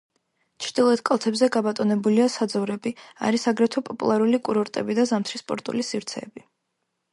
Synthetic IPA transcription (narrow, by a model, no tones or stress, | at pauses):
t͡ʃʰɾd̪̥ilˠɔɛt̪kʼalˠt̪ʰɛbzɛɡabat̪ʼɔnɛbuliasad̪zɔvɾɛbia̰ɾisaɡɾɛt̪ʰɛpʼɔpʼṵlˠaɾulikʼuɾɔɾt̪ʼɛ̰bid̪azamt̪ʰɾispʼɔ̰ɾt̪ʼṵlisivɾt̪sʰɛ̰ːbi